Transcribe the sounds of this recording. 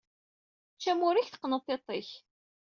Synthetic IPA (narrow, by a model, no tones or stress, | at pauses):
t͡ʃːæmʊɾiçθə̥qːnət̪ˤːet̪ˤeç